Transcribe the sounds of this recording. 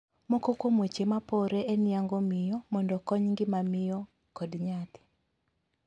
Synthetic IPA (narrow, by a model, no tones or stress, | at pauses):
mɔkokwomwet͡ʃemapɔɾeʔenɪaŋɡɔmɪjɔmɔndɔkɔɲŋɡɪmamɪjɔ | kɔdɲat̪ɪ̥